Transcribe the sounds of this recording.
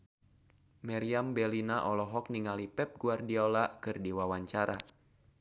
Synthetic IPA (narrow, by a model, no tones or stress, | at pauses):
maɾiambɛlinaʔɔlɔɦɔk̚niŋalipɛp̚ɡuardiaolakɨrdiwawaɲt͡ʃaɾa